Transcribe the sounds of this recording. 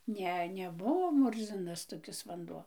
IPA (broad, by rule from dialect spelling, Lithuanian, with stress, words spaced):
ˈnʲɛ nʲɛˈbʊʋoː ˈmʊrʲzʲɪnɐs toːˈkʲɪs ʋɐnˈduɔ